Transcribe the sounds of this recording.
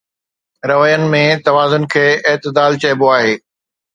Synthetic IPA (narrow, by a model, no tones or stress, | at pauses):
ɾɐʋəjənɪ̆mẽt̪ɐʋaːzʊnkʰeːɪɦt̪ɪd̪aːlt͡ɕɐɪboaːɦeː